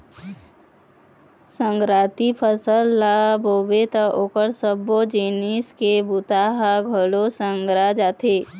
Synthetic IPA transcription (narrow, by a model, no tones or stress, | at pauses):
sə̃ŋɡɾaːt̪ipʰəsəlːabobet̪aʔoːkəɾsəbod͡ʒiniskebut̪aɦaɡʱəlosə̃ŋɡɾad͡ʒat̪ʰeː